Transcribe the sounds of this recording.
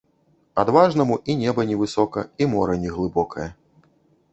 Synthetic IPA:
ad̪vaʐnɐmuʔinʲɛbɐnʲɛvɨsɔkɐimɔɾɐnʲɛɣlˠɨbɔkɐjɐ

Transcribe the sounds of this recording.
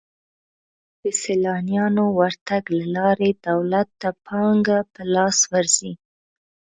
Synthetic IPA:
d̪̥əselɑnjɑnowaɾt̪aɡlalɑɾed̪awlat̪ːapʰɑŋɡapəlɑswaɾz̥i

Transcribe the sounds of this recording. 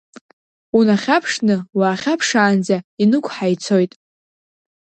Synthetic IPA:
unaχʲapʰʂnɨwaːχʲapʰʂaːnd͡zainɨkʷʰʼħajt͡sʰo̞jtʼ

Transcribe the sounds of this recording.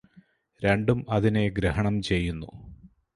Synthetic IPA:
ɾe̞ɳɖumɐðine̞ɡɾeɦɐɳɐmt͡ɕe̞jːunːṵ

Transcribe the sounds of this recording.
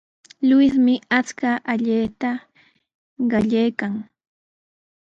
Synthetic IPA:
lwɪsmɪat͡skaʔaʎeːt̪a | ɢɑʎajkaŋ

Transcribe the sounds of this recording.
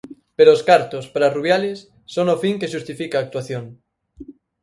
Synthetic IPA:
peɾoːskaɾt̪ʊspaɾaruβjalɪsː | oŋofiŋkeʃust̪ifikaːk̚t̪waθjoŋ

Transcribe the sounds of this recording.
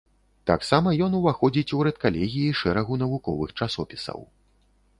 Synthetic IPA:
t̪aksamɐjɔnuvaxɔd͡zʲit͡sʲuɾɛt̪kalʲɛɣʲijiʂɛɾɐɣunɐvukɔ̰vɨxt͡ʂasɔpʲi̥sɐ̰w

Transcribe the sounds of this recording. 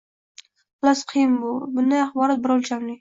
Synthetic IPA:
blasqʰijɪmbʊbʊnd̪ajaχbɒɾat̪̚bɪɾalt͡ʃʰamnɪ

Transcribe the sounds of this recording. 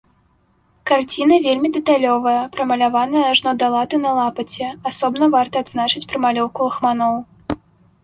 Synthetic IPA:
kart͡sʲin̪ɐvʲelʲmʲid̪ɛt̪alʲɔvɐjɐpɾɐmɐlʲavanɐjɐʐnɔd̪alˠat̪ɨnɐlˠapɐt͡sʲɛasɔbnɐvart̪ɐːd̪znat͡ʂɨt͡sʲpɾɐmalʲɔwkulˠɐxmanɔw

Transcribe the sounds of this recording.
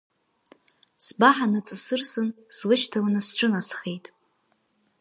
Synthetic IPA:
sbaħanɨt͡sʼɨsɨrsɨnslɨʃtʰawnɨsʈ͡ʂʷʼɨnasχejtʼ

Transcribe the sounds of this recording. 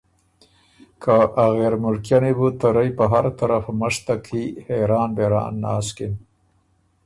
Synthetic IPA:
kʰaʔaɣeɾmʊlkjanebut̪aɾəjpəɦaɾat̪aɾafməʂt̪akʰiheɾɑːnbeɾɑ̰ːnːɑ̰ːskɪn

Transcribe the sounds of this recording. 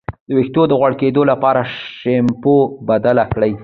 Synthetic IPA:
d̪əwext̪od̪əɣwaɽked̪olapɑɾaʂempobad̪alakɽaj

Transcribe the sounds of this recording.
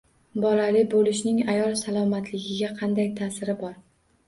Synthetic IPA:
bɒlalɪbolɪʃnɪŋajɒlˠsalˠɒmat̪ʰlɪɡʲɪɡʲaqʰɑnd̪ajt̪ʰaːsɪɾɪbɒɾ

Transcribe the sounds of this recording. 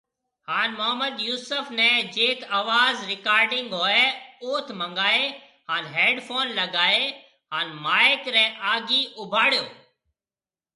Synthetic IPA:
haːnmʊɦəməd̪juːsəfnɛːd͡ʒeːkaːʋaːzɾɪkaːɾɖɪŋɡɦoːeːoːt̪ʰməŋɡaːeː | ɦaːnɦeːɖpʰoːnləɡaːeː | ɦaːnmaːɪkɾɛ̃ːʔaːɡiːʔʊbʱaːɽjoː

